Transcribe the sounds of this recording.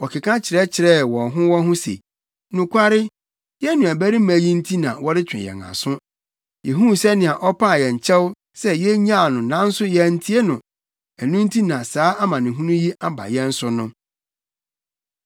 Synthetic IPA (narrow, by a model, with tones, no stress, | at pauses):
wɔ˨kʰɪ˨kʰã˦t͡ɕʰɪ˨ɾɛ˦t͡ɕʰɪ˨ɾɛ˦wɔ̃˨nɦʊ̃˦wɔ̃˦ɦʊ̃˦sḛ˨ | nʊ̃˨kʰʷa˦ɾɪ˦ | jɛ˦nʊ̃˨æ˨bæ˦ɾi˦mæ̃˨jĩ˦n̩˦tʰi˦nã̰˨wɔ˦ɾɪ˦t͡ɕᶣɪ̰̃˨jɛ̰̃˨ŋa̰˨sʊ̃˦ | jɛ˨ɦũ˦˨sɛ˦nɪ̃˨a˨ʔɔ˦pʰa˦˨jɛ˨ɲ˨t͡ɕʰɛ˦w | sɛ˦jɛ˦ɲã˦˨nʊ̃˨nã˦n̩˦sʊ˦jɛ˦n̩˦tʰi˦e˦nʊ̃˨ | æ˨nũ˦n̩˦tʰi˦nã˨saː˨˦a˦mã˨nɪ̃˨ɦũ˦nũ˦ji˦a˦ba̰˨jɛ˦n̩˦sʊ˦nʊ̃˦